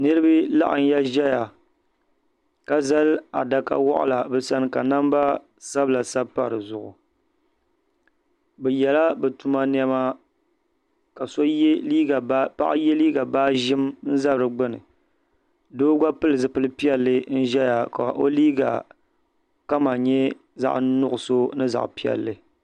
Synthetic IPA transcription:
nɨ˦ɾɨ˦bɨ˦la̰˦ʔa̰˨n̩˦ja˦ʒɛ˦ja˨ | ka˦za˦la̰˨da˨ka̰˨wɔ̰˦ʔʊ̰˦˨la˨bɛ˨sa˦n˦ka˨na˦mba˦ | sa˦bla˨sa˦bpa̰˨ɾɨ˨zʊ˨ʔʊ̰˨ | bɛ˨jɛ˨la˦bɛ˨tu˨ma˦n˦ɛ˦ma˦ | ka˨so˦liː˦ɡa˨˦pa̰˦ʔɪ˦jɛ˦liː˦ɡa˨baː˦ʒɪ˦mn̩˦za˦bɨ˨ɾɨ˨ɡ͡bɨ˦nɨ̰˨ | doː˦ɡʷa˦pɨ˦lɨ˨zɨ˨pɨ˦lɨ˦pi˦ɛ˦lːɨ˦n̩˦ʒɛ˦ja˨ka̰˨ʔo˦liː˦ɡa̰˨ | ka˦ma˨ɲɛ˦ | za̰˦˨ʔnʊ˦ʔʊ˨so˦nɨ˦za̰˨ʔpi˦ɛ̰˨lːɨ˨

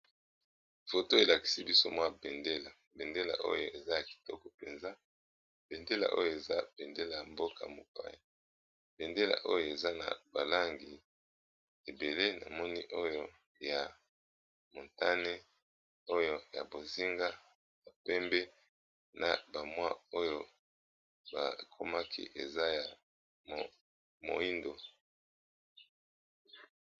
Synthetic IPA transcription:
fo˨to˦e˨la˨ki̥˨si˦bi˦so˦mwa˦bɛ˨nde˦la˨ | bɛ˨nde˦la̰˨ʔo̰˦jo˨e˨za˦ja˨ki̥˨tɔ˦kɔ˨pe˨nza˦ | b̥e˨nde˦la̰˨ʔo̰˦jo˨e˨za˦b̥ɛ˨nde˦la˨ja˨mbo˦ka̰˨mo̰˨pa̰˦ja˨ | b̥ɛ˨nde˦la̰˨ʔo˦jo˦˨e˨za˦na̰˨ba˨la˦ŋɡi˨ | e˨be˨le˦na̰˨mɔ˦ni˦ʔo˦jo˦ | ja˨ | mo˨nta˦ne˦ | o˦jo˦ja̰˨bo˨zi˦ŋɡa˦ | ba˨pɛ˦mbɛ˦ | nʔa̰˨ba˨mwa˦o˦jo˦ | ba̰˨kʰo˦ma˦kʰḭ˦ʔe˨za˦ja˨ | mo̰˨i˦ndo˨

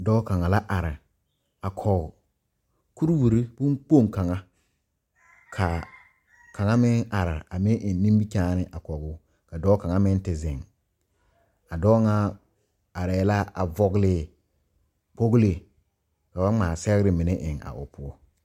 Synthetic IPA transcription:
dɔː˦ka˨ŋa˨la˦ʔa˨ɾɪ˨ | a˨kʰɔ˨ɡʊ˨ | ku˦ɾwu˨ɾi˦bu˦ŋk͡po˦˨ŋ˨ka˨ŋa˦ | kʰa˨ | ka˨ŋa˦mɪ˦ŋa˨ɾɪ˨a˨mɪ˦ʔɪ˨n˦nːĩ˦mbi˦kaː˦nɪ˦ʔa˨kɔ˨ɡʊ˦ | ka˨dɔː˦ka˨ŋa˦mɪ˦n˦tɪ˨zɪ˨ŋ | a˨dɔː˦ŋa˦ | a˨ɾɛ˨˦la˦ʔa̰˨vɔ˦ɡlɪ˦ | k͡po˦ɡle˦˨ | ka˨ba˦ŋ͡maː˨sɛ˦ɣɪ˦ɾɪ˨mɪ˨nɪ˦ʔɪ˨ŋa̰˨ʔʊ̰˨pʰʊ˦ɔ˦

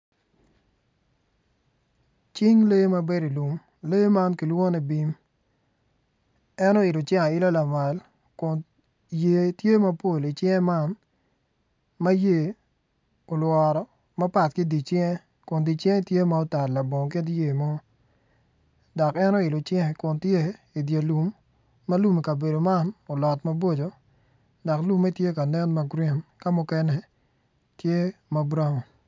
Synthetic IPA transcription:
t͡ʃi˦ŋle˦ma˦be˦ɾi˨lu˨m | le˦ma˦nki˨lwo˦nɛ˨bi˦m | ɛ˦no˦ɪ˨lʊ˨t͡ʃja˦˨ɪ˦la˦la˨ma˨l | kʊ˨n | je˨tje˦mɐ˦po˨li˨t͡ʃjɛ˦ma˦n | ma˦je˦˨ | o˨lwɔ˨ɾɔ˨ | ma˦pa˨tkɪ˦di˨t͡ʃjɛ˦ | kʊ˨ndi˨t͡ʃjɛ˦ŋ˦tje˦ma˨o˦ta˨tla˨bo˨ŋk̬e˦dje˦˨mɔ˦ | dɔ˨kɛ˦nɔ˦ɪ˨lʊ˨t͡ʃjɛ˦ŋ˨kʊ˨ntje˦ | i˨dje˨lu˨mː | a˦lu˦mi˨ka˨be˨do˨ma˦no˨lɔ˨tma˦bo˦d͡ʒo˨ | dɔ˨klu˦mːɛ˦tje˦ka˨nɛ˦nma˦ɡɾi˦nka˦mʊ˨kɛ˦nɛ˦ | tje˦ma˨bɾa˦ŋɔ˨

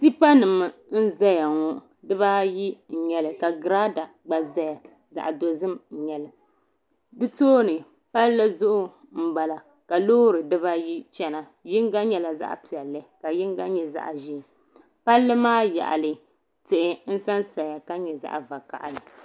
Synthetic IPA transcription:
si˦pa˦nɨ˨mɨ˨n̩˦za˦ja˨ŋɔ˦ʔdɨ˦βa˦ji˦n̩˨ɲɛ˨lɨ˨ka˨ɡɾa˦da˨ | ɡ͡ba˨za˦ja˨ | za̰˨ʔa˨do˨zɨ˦m̩˨ɲɛ˨lɨ˨ | dɨ˦toː˦nɨ˨ | pa˦llɨ˦zʊ˦ʔʊ˦ | m̩˨ba˨la˨ | ka˨loː˦ɾɨ˨dɨ˦ba˦ji˦t͡ʃɛ˦na˨ | jɪ˦ŋɡa˦ɲɛ˦la˨za̰˦ʔpi˨ɛ˨lːɨ˦ka˨jɪ˦ŋ˦ɡa˦ɲɛ˨za̰˦ʔʒi˦˨ | pa˦lːɨ˦maː˦ja̰˨ʔa̰˨lɨ˨ | tɪ˨ʔɪ˨n̩˦sa˦nsa˨ja˨ka˦ɲɛ˨za̰˦ʔva˨ka̰˨ʔa̰˨lɨ˨

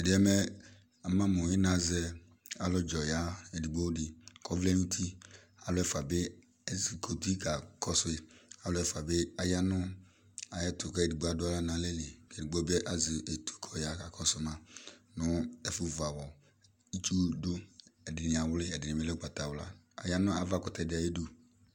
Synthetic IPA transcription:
ɛ˨dɪ˨˦ɛ˦mɛ˦ | a˨mã˦mʊ˨jɪ˦na˨zɛ˦ | a˨lɔ˦d͡ʒɔ˨ja˨˦ɛ˨di˨ɡ͡bo˦dɪ˨kʰɔ˦vlɛ˦nu˦tʰi˦ | a˨lʊ˦ɛ˦fa˨bɪ˦ | ɛ˦zi˨kʰo˨tu˦i˦ka˨kɔ˦sʊ˦e˨a˨˦lʊ˦ɛ˦fa˨bɪ˦a˨ja˦nʊ˦ | a˨jɛ˦tʰʊ˨kɛ˦ɛ˨di˨ɡ͡bo˦a˨dʊ˦a˦la˦nã˨˦le˦le˨kɛ˨di˨ɡ͡bo˦be˦ʔa˨zɪ˨ʔe˨tʰu̥˨˦kʰɔ˨ja˨˦ka˨kʰɔ˨sʊ˨˦mã˨nʊ˦ɛ˦fʊ˨va˨wɔ˨ | i˦t͡ʃu˦dʊ˦ɛ˨dɪ˨nɪ˨a˨wʊ˦lɪ˦ɛ˨dɪ˨n˨e˨˦lɛ˦k͡pa˨ta˨wla̰˦ | a̰˨ja˦nʊ˦a˨va˦˨kɔ˨tɛ˨dɪ˨a˨je˦du˦

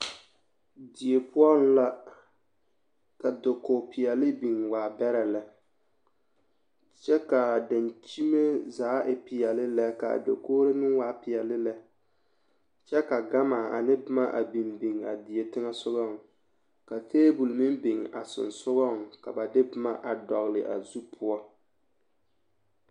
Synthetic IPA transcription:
di˨e˨pʊ˦ɔ˦n˦la˦ | ka˨do˨ko˨pɪ˨ɛ˨lɪ˦bi˨ŋwaː˨bɛ˦ɾɛ˨lɛ˨ | t͡ʃɛ˦ka˨da˨nt͡ʃi˦me˦zaː˨˦ʔɪ˨pɪ˨jɛ˨lɪ˦lɛ˦ka̰˨do̰˨koː˦ɾɪ˦mɪ˦ŋwaː˦pɪ˨ɛ˨lɪ˦lɛ˦ | t͡ʃɛ˦ka˨ɡa˦maː˨a̰˨nɪ˦bɪ˦ma˦ʔa̰˨bi˨mbi˨ŋa̰˨di˨je˨tɪ˦ŋa˦sʊ˦ɣɔ˦˨ŋ˨ | ka˨tʰeː˦bu˨lmɪ˦mbɪ˨ŋ˨a˨sʊ̰˨nsʊ˦ɣɔ˦˨ŋka˨ba˨dɪ˦bɪ˦ma˦ʔa˨dɔ˨ɣlɪ˨ʔa̰˨zu˦pʰʊ˦ɔ˦

